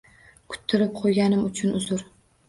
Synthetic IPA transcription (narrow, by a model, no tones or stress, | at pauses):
kʰʊ̥t̪ʰːɪɾɪp̚qʰojɡʲanɪmʊt͡ʃʰʊnʊzʊɾ